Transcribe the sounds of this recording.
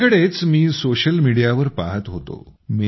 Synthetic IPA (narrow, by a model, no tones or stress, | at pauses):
kəɽet͡smiːsoɕəlmiɽijaʋəɾpa̰ɦət̪ɦot̪o̰mi